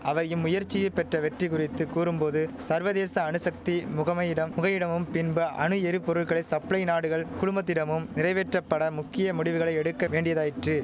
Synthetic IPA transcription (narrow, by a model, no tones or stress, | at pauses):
ɐʋɐɾɪmːʊjɐɾt͡ʃːɪjɯpːɛʈrɐʋɛʈrikʊrɪt̪ːɯkuːɾɯmpoːðɯsɐɾʋɐðeːsɐːnɯsɐk̚t̪imʊɣɐmɐjɪɽɐmːʊɣɐjɪɽɐmɯmpɪnbɯʔɐ̰nɯɛɾɯpɔɾɯɭɣɐɭɐɪsɐpɭɐɪnaːɽɯɣɐɭkʊɽʊmbɐt̪ːɪɽɐmɯmnɪrɐɪʋɛʈrɐpːɐɽɐmʊkːɪjɐmʊɽɪʋɯɣɐɭɐɪɛɽɯkːɐʋeːɳɖɪjɐðaːjɪʈrɯ